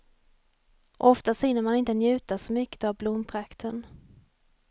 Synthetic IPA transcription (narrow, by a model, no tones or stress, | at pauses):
ʔɔft̪asɪnːəɾmanɪnt̪ənjʉ̟ːt̪asɔmʏkːə̥t̪avblʊmːpʰɾakt̪ʰən